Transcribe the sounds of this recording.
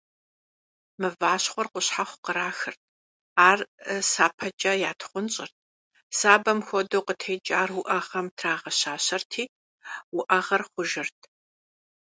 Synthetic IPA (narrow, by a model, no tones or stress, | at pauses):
mɨvaːɕχʷɔrqʷʊɕħaχʷʊqəɾaːxɨrt̚ʰ | aːrsaːpʰɐt͡ʃʼɐjaːtʰχʷʊnɕʼɪrt̚ʰ | saːbɐmxʷɔdowqətʰejd͡ʒʼaːrwʊʔɐʁɐmtʰraːʁɐɕaːɕɐrtʰiː | wʊʔɐʁɐrχʷʊʒɪrtʰ